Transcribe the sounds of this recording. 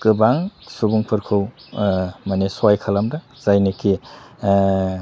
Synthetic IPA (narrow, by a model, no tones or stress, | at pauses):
kɯbaŋsubuŋpʰɯɾkʰɯw | maneswajkʰalamda | z̥ajniki